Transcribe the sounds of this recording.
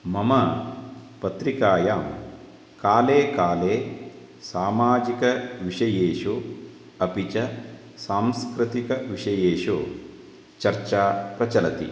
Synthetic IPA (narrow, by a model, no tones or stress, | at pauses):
mɐmɐ | pɐt̪ɾikaːjaːm | kaːleːkaːleː | saːmaːd͡ʒikɐʋiʂɐjeːʂo | ɐpit͡ʃɐ | saːmskɾɨt̪ikɐʋiʂɐjeːʂo | t͡ʃɐɾt͡ʃaːpɾɐt͡ʃɐlɐt̪ḭ